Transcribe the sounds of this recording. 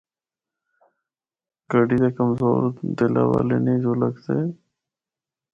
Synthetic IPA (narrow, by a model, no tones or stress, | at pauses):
ɡ̥əɖid̪ekəmzoːɾd̪ela̰walenizoləkse